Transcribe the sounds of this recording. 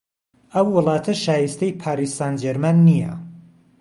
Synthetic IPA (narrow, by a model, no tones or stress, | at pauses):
ʔɐwːɨlˠɑːt̪ʰɐʃaːjist̪ɐjpʰaːɾist̪aːnd͡ʒɛɾmanːijɐ̰